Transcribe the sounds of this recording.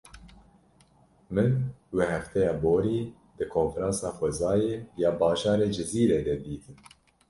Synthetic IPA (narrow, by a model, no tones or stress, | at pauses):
mɨnweːhɛft̪ʰɛjɑːboːɾiː | d̪̥ɨkʰoːnfɾɑ̃ːnsɑːxʷɛzɑːjeːjɑːbɑːʒɑːɾeːd͡ʒɪziːɾeːd̪ɛd̪iːt̪ʰɨn